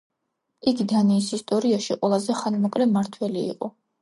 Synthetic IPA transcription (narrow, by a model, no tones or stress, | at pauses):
iɡid̪aniːsist̪ʼɔɾiaʃiqʼwɛlˠazɛχanmɔkʼlɛmaɾt̪ʰwɛlḭːqʼɔ